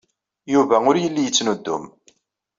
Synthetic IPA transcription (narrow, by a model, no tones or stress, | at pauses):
juvæʊɾjəlːijət͡sːnud̪ːʊm